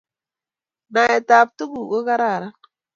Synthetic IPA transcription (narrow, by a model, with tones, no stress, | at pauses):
na˨jɛ˨ta˨p̚tu˦ku˨ɡo˦ka˦ɾa˦˨ɾa˦